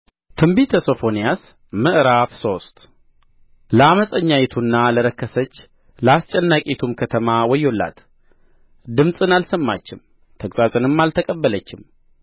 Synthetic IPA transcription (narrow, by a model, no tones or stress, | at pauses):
t̪ʰɨmbit̪ʰəso̞fo̞nijas | mɨʔɾafso̞st̪ | ləaməsʼəɲːajɛt̪ʰunːaləɾəkːəsət͡ʃː | ləast͡ʃʼɛnːakʼet̪ʰumkʰət̪ʰəmawɔjːo̞lːa̰t̪ | d̪ɨmsʼɨnalsəmːa̰t͡ʃːɪm | t̪ʰəkʼsʼazʼɨnɨmːalt̪ʰəkʼəbːələt͡ʃːɪm